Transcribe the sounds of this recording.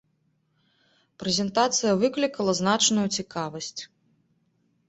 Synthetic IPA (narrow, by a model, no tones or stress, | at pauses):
pɾɛzʲɛnt̪at̪sɨjɐvɨklʲikɐlˠɐznat͡ʂnujut͡sʲikavɐsʲt͡sʲ